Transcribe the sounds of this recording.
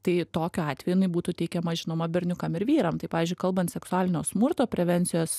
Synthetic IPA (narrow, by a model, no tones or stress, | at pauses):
t̪ɐɪt̪oːkʲoɑːt̪ʲʋʲɛjʊɪnɐbuːt̪ut̪ʲɛɪkʲɛmɐʒʲɪnoːmɐbʲɛɾʲnʲʊkɐmɪɾʋʲiːɾɐmt̪ɐɪpɑːʋʲizʲd͡ʒʲʊɪkɐlˠbɐnt̪sʲɛksʊɑːlʲɪnʲoːsmʊrt̪oːpʲɾʲɛʋʲɛnʲt͡s̪ʲɪjoːs